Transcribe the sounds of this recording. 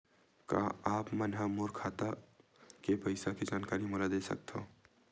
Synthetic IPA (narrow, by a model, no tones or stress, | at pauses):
kã̰aːpmənɦamoːɾkʰaːt̪a | kepəɪsakid͡ʒaːnkaːɾimʊlad̪esɐ̰k̚t̪ʰo̰